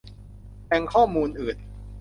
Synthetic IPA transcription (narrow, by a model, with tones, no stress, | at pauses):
tɛː˧ŋkʰɔː˥˩muː˧nʔɯː˨˩t̪̚